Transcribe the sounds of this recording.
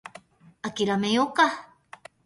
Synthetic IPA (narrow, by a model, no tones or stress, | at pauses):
akiɾamejoka